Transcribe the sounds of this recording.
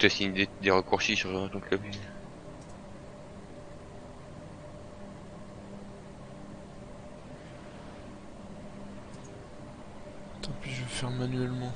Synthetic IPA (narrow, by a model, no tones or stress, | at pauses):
t̪yasiɲd̪ed̪eʁəkuʁʃisyʁt̪ɔ̃klœb | t̪apiʒvəfɛʁmanɥɛlmɑ̃